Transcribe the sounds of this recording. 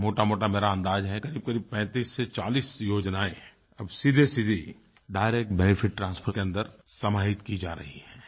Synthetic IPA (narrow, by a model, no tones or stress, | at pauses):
moːʈamoːʈameːɾaɐ̃nd̪aːd͡ʒɦɛkɐɾiːb̚kɐɾiːb̚pɛ̃ːt̪iːsːet͡ʃaːliːsjoːd͡ʒnaːẽ | ɐbsid̪ʱesid̪ʱi | ɖaːɪɾeːk̚ʈ̚bɛːnɪfʰɪʈ̚ʈɾãːnspʰəkeɐ̃nd̪əɾsɐmaːɪt̪kid͡ʒa̰ːɾɐ̰ɦiɦɛː